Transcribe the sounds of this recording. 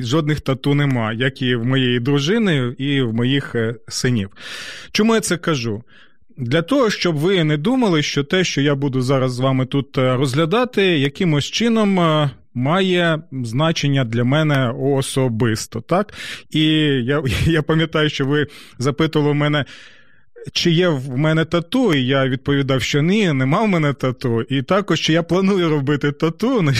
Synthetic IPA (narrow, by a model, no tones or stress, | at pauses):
ʒɔd̪nɪxt̪ɐt̪unemɑjɐkiwmɔjejid̪ɾʊʒɪnɪiwmɔjixsɪnʲiwt͡ʃɔmujat̪sɛkɐʒu | d̪lʲɐt̪ɔɦɔʃt͡ʃɔbʋɪnɛd̪umɐlˠɪʃt͡ʃɔt̪ɛʃt͡ʃɔjabud̪ʊzɑɾɐzːʋɑmɪt̪ut̪rɔzɦlʲɐd̪ɑt̪ɪjɐkɪmʊsʲt͡ʃɪnɔmː | ɑjɛznɑt͡ʃenʲːɐd̪lʲɐmɛnɛɔːsɔbɪst̪ɔt̪ɑkijajapɐmʲjɐt̪ɑjʊʃt͡ʃɔʋɪzɐpɪt̪ʊʋɐlˠmɛnɛ | t͡ʃɪjɛmɛnɛt̪ɐt̪uijaʋʲid̪̚pɔʋʲid̪ɑwʃt͡ʃɔnʲinɛmɑwmɛnɛt̪ɐt̪uit̪ɑkɔʃt͡ʃɔjaplˠɐnujʊɾɔbɪt̪ɪt̪ɐt̪unɛ